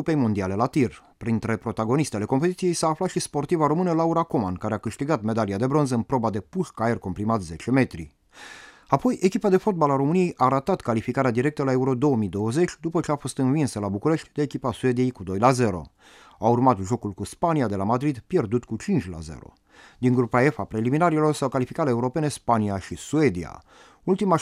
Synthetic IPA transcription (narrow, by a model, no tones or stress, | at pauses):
upe̞jmond̪iale̞lat̪ir | pɾint̪ɾe̞pɾo̞t̪aɡo̞nist̪eale̞ko̞mpe̞t̪it̪sije̞jsaːflat̪ʃispo̞rt̪ivaɾo̞mɨnəlauɾakomankaɾe̞akɨʃt̪iɡat̪me̞d̪aliad̪e̞bɾo̞nzəɨnpɾo̞bad̪e̞puʃkaerko̞mpɾimat̪ze̞t͡ʃe̞me̞t̪ɾḭ | apo̞je̞kʲipad̪e̞fo̞t̪̚balaɾo̞mɨnije̞jʔaːɾat̪at̪kalifikaɾead̪iɾe̞k̚t̪əlae̞uɾo̞d̪o̞əmid̪o̞wəze̞t͡ʃʲd̪upət͡ʃe̞afo̞st̪ɨnvinsəlabukuɾe̞ʃt̪ʲd̪eːkʲipasue̞d̪ije̞jkud̪o̞jlaze̞ɾo̞̰ | aurmat̪ʒo̞kulkuspaniad̪e̞lamad̪ɾid̪pje̞rd̪ut̪kut͡ʃint͡ʃʲla̰ze̞̰ɾo̞̰ | d̪̥iŋɡɾupae̞fapɾe̞liminaɾilo̞rsawkalifikaɾeeuɾo̞pe̞nespaniaʃisue̞d̪ia̰ | ult̪ima